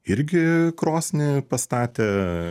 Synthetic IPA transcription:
ɪɾʲɡʲɪkɾoːsʲnʲɪpɐst̪ɑːt̪ʲeː

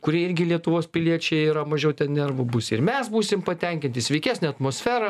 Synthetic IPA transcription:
kʊɾʲiɛɪɾʲɡʲɪlʲiɛt̪ʊʋoːspʲɪlʲiɛt͡ʃʲɛɪiːɾɐmɐʒʲɛʊt̪ʲɛnnʲɛrʋʊbʊsʲɪɾmʲɛsbuːsʲɪmpɐt̪ʲɛŋʲkʲɪnʲt̪ʲɪsʲʋʲɛɪkʲæːsʲnʲɛːɐt̪moːsʲfʲæːɾɐ

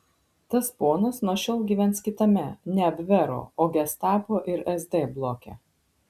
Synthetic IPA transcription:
t̪ɐspoɔnɐsnuɔʃʲɛlˠɡʲiːʋʲɛnt̪skʲɪt̪ɐmʲɛnʲɛɐbʲʋʲɛɾo̰ːoːɡʲɛst̪ɑːpoːʔɪɾɛzd̪ʲeːblˠoːkʲḛː

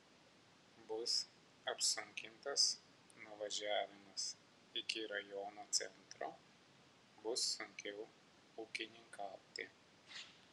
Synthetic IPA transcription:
bʊs | ɐpsʊŋʲkʲɪnt̪ɐs | nʊʋɐʒʲæːʋʲɪmɐs | ɪkʲɪɾɐjɔnoːt̪sʲɛ̰nt̪ɾoː | bʊsːʊŋʲkʲɛʊ | ukʲɪnʲɪŋkɑːt̪ʲɪ

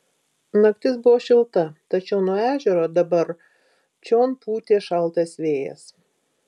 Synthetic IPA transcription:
nɐkʲt̪ʲɪsbʊʋoːʃʲɪlˠt̪ɐt̪ɐt͡ʃʲɛʊnuɔæːʒʲɛɾoːd̪ɐbɐɾ | t͡ʃʲoːnpuːt̪ʲeːʃɐlˠˑt̪ɐsʋʲeːjɛ̰s

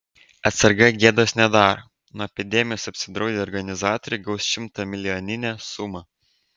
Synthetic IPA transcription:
ɐt̪sɐɾɡɐɡʲeːd̪oːsnʲɛd̪ɑːɾo̰ː | nuɔɛpʲɪd̪ʲɛmʲɪjoːsɐpʲsʲɪd̪ɾɒʊd̪ʲeːɔɾɡɐnʲɪzɑːt̪ɔɾʲɪɡɐʊsʃʲɪmt̪ɑmʲɪlʲɪjonʲɪnʲæːsʊmɐ

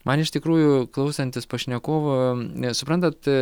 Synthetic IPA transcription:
mʔɐnɪʃt̪ʲɪkɾuːjʊklˠɐʊsɐnʲt̪ʲɪspoːʃʲnʲɛkoːʋosʊpɾɐnt̪ɐt̪

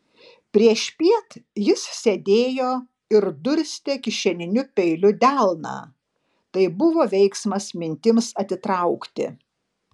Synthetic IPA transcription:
pʲɾʲiɛʃʲpʲiɛt̪jɪssʲed̪ʲeːjoː | ɪɾd̪ʊɾʲsʲt̪ʲekʲɪʃʲɛnʲɪnʲʊpʲɛɪlʲʊd̪ʲælˠnɑ̰ː | t̪ɐɪbʊʋoːʋʲɛɪksmɐsmʲɪnʲt̪ʲɪmsɐt̪ʲɪt̪ɾɐʊkt̪ʲɪ̰

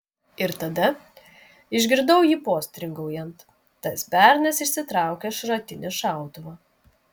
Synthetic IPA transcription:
ɪɾt̪ɐd̪ɐ | ɪʒʲɡʲɪɾd̪ɐʊjiːpoːsʲt̪ʲɾʲɪŋɡɐʊjɛnt̪ː | ɐsbʲæˑɾʲnʲɛsɪʃʲsʲɪt̪ɾɑˑʊkʲɛʃɾɐt̪ʲɪnʲɪʃɑˑʊt̪ʊʋɐ

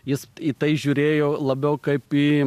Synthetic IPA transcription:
jɪsit̪ɐɪʒʲuːɾʲeːjoːlˠɐbʲɛʊkɐɪpiː

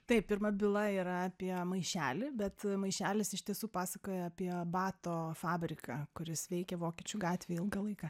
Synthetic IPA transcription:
t̪ɐɪp̚pʲɪɾmɐbʲɪlˠɐiːɾɐɑpʲiɛmɐɪʃʲæːlʲɪbʲɛt̪mɐɪʃʲæːlʲɪsɪʃt̪ʲiɛsuːpɑːsɐkoːjɛɐpʲiɛbɑːt̪oːfɑːbʲɾʲɪkɐkʊɾʲɪsʋʲɛɪkʲɛʋoːkʲiɛt͡ʃʲuɡɑːt̪ʲʋʲeːjɪlˠɡɐlˠɐɪkɐ

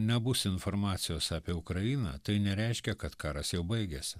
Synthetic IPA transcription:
nʲɛbʊsɪnfoɾmɑːt̪sʲɪjoːsɑːpʲiɛʊkɾɐjiːnɑ̰ːt̪ɐɪnʲɛɾʲɛɪʃʲkʲɛkɐt̪kɑːɾɐsjɛʊbɐɪɡʲɛsʲɪ

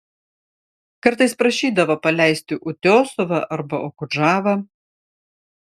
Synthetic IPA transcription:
kɐɾt̪ɐɪspɾɐʃʲiːd̪ɐʋɐpɐlʲæˑɪsʲt̪ʲɪʔʊt̪ʲoːsɔʋɐʔɐɾbɐʔoːkʊʒɑːʋɐ

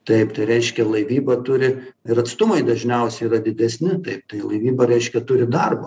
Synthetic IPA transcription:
t̪ɐɪpt̪ɐɪɾʲɛɪʃʲkʲɛlˠɐɪʋʲiːbɐt̪ʊɾʲɪɪɾɐt̪st̪ʊmɐɪd̪ɐʒʲnʲɛʊsʲɛiɾɐd̪ʲɪd̪ʲɛsʲnʲɪt̪ɐɪp̚t̪ɐɪlˠɐɪʋʲiːbɐɾʲɛɪʃʲkʲɛt̪ʊɾʲɪd̪ɐrbo

